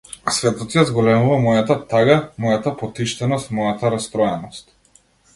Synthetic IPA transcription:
svɛt̪ɔt̪jazɡɔlɛmuvamɔjat̪at̪aɡamɔjat̪apɔt̪iʃt̪ɛnɔst̪mɔjat̪aɾast̪ɾɔjɛnɔst̪

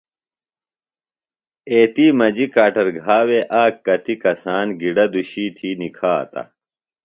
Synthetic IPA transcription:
eːt̪iːmɐd͡ʑikaːʈɐɾɡʱaːweːʔaːkːɐt̪ikɐsaːnɡiɖɐd̪uɕiːt̪ʰiːnikʰa̰ːt̪ɐ̰

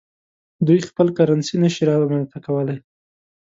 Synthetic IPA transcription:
d̪ujxpəlkaɾansinəʃiɾɑmant̪akawəlaj

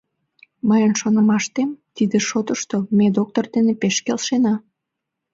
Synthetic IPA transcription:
məjənʃonəmɑʃt̪emt̪id̪eʃot̪əʃt̪omed̪ok̚t̪ord̪enepeʃkelʃenɑ

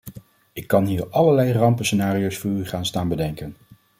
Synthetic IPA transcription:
ɪkːɑnɦiːɹɑləɹlɛjrɑmpəsənaːrijowsfʊːɹyχaːnstaːnbədɛŋkən

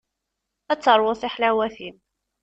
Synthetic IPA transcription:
æt͡sːəɾˤwʊθiħlæwæθim

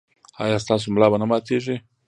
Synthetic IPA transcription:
ha̰jast̪as̬umlabənəmat̪eʒe

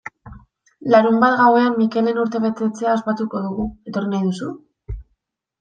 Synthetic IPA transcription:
laɾumbat̪ɣawe̞ammːike̞le̞nuɾt̪e̞βe̞t̪e̞t͡se̞aospat̪uko̞ðuɣue̞t̪o̞rinajðusu

